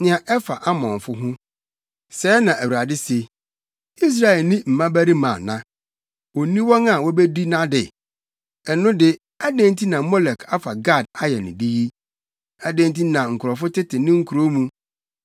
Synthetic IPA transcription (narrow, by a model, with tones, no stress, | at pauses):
nɪ̃˨ã˨ʔɛ˦fa˨ʔa˦mɔ̃˨ɱ˨fʊ˦ɦʊ̃˦ | sɛː˨˦nã˨ʔæ˨wu˨a˨dɪ˦se˨ | i˦s̬ɾa˨ɛ˨lnɪ̃˦m̩˨mã˦bæ˦ɾi˦mã˨nã˦ | o˨nĩ˦wɔ̃˦na˨wɔ˦be˦di˦nã˦dɪ˨ | ɛ˨nʊ̃˦dɪ˦ | a˦dẽ˦ntʰi˦nã˨mɔ˦lɛ˨kʰa˦fa˨ɡa˦˨d̚a˦jɛ˨nɪ̰̃˨di˦ji˦ | a˨dẽ˦n˦t̬i˦nã˨ŋ̩˨kʰʊ˨ɾɔ˨fʊ˦tɪ˦tʰɪ˨nɪ̃˦ŋ̩˦kʰu˨ɾo˦mũ˦